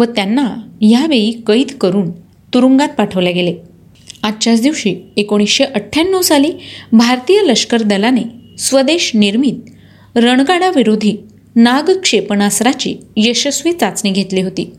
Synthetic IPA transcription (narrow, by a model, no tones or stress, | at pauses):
ʋət̪janːajaʋejiːkəiːt̪kəɾuːn | t̪uɾuŋɡat̪̚paʈʰəʋljaɡele | ad̪t͡ɕat͡sd̪iʋɕiekoɽ̃isɕeʔəʈʰːjanːəwsaliːbʱaɾt̪ijələʂkəɾd̪əlanesʋəd̪eɕniɾmiːt̪̚ | ɾəɳɡaɽaʋiɾod̪ʱiː | naɡkʂepɳasɾat͡ɕḭːjəɕəsʋiːt͡sat͡sniːɡʱet̪liːɦot̪ḭː